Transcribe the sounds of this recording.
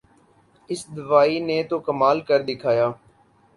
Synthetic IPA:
ɪsd̪ʊʋaːinet̪oːkəmaːlkəɾd̪ɪkʰaːjaː

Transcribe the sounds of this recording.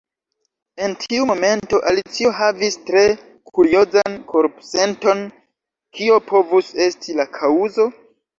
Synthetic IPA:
e̞ntʰiumo̞me̞nto̞ʔalit͡sio̞ɦavistɾe̞ | kʰuɾio̞zankʰo̞ɾpse̞nto̞n | kʰio̞pʰo̞vuse̞stʰilakʰauzo̞

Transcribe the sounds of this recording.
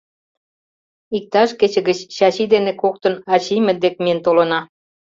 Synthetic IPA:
ik̚t̪ɑʃket͡ɕə̆ɣət͡ɕːɑɕid̪enekok̚t̪ə̆nɑt͡ɕimʲĕd̪ekmiə̆nt̪olə̆nɑ

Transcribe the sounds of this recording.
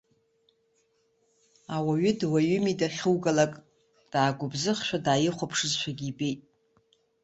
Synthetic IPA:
awaɥʏdwaɥʏmidaχʲɨwɡalakʼ | d̥aːɡʷʊbzɨχʃᶣadaːjɪχʷapʰʂɨzʃʷᶣʰaɡʲibejtʼ

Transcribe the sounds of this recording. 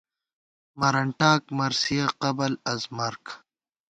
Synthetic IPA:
mɐɾɐɳʈaːk̚mɐɾsijaqɐbɐlɐzmɐɾk

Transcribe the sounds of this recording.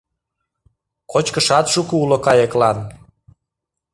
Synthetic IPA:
kot͡ɕkəʃɑt̪ʃukuulokɑjeklɑn

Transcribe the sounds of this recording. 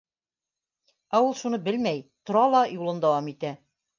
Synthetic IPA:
æulˠʃunɤbɘlmæjt̪ŏɾɑlˠɑjulˠɤnd̪æwɑmit̪æ

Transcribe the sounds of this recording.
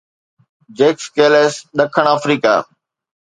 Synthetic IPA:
d͡ʑeːkskeːleːsɗɐkʰəɽ̃aːfɾiːka̰ː

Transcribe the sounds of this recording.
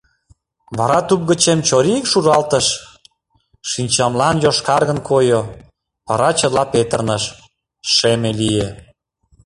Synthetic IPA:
βɑɾɑt̪up̚ɣət͡ɕemt͡ɕoɾikʃurɑlt̪əʃ | ʃinʲt͡ɕɑmlɑnjoʃkɑrɣənkʰojo | βɑɾɑt͡ɕə̆lɑpet̪ərnəʃ | ʃemelije

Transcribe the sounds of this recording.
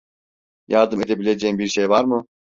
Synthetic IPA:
jaɾd̪ɯme̞d̪e̞bilʲe̞d͡ʒembiɾʃejvaɾmɯ

